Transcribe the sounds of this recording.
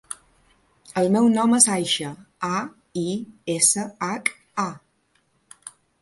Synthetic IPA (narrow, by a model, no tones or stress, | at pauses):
əlˠmɛwnɔməzajʃə | a | iesəak | a